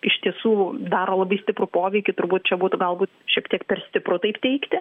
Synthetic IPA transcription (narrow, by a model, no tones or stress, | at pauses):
ɪʃt̪ʲiɛsuːd̪ɑːɾoːlˠɐbɐɪsʲt̪ʲɪpɾʊpoːʋʲɛɪkʲʊt̪ʊɾbuːt̪̚t͡ʃʲɛbuːt̪ʊɡɐlˠbuːt̪ʃʲiɛkt̪ʲiɛkpʲɛrsʲt̪ʲɪpɾʊt̪ɐɪpt̪ʲɛɪkt̪ʲɪ